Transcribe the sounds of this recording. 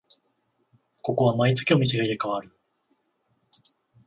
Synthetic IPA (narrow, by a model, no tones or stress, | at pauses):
ko̞ko̞βamait͡sɨ̥kʲio̞mʲiseɡed̪ekaβaɾɯ̟